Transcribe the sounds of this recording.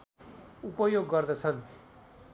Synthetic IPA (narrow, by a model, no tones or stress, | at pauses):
upʌjoɡːʌɾd̪ʌt͡sʰʌn